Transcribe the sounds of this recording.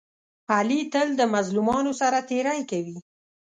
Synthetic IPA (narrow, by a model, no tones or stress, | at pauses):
alit̪əld̪əmazlumɑnosaɾat̪eɾajkawi